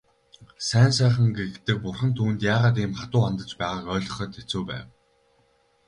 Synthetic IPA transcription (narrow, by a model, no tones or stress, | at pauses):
sæːnsæːχə̆ŋɡet̪ɘ̆k̚pʊrχə̆nt̪ʰuːnt̪jaːʁaːt̪iːmχat̪ʊːant̪ə̆t͡ɕpæːʁaːkœːɮʲɞ̆χœ̆ːt̪ʰet͡suːpæ̰ːw